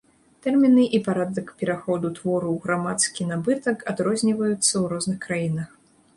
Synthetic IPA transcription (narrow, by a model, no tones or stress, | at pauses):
t̪ɛrmʲinɨʔipaɾad̪ɐkpʲɛɾaxɔd̪ut̪vɔɾuwɣɾamat̪skʲinabɨt̪ɐkad̪ɾɔzʲnʲivɐjut̪sːɐwɾɔznɨxkɾajinɐx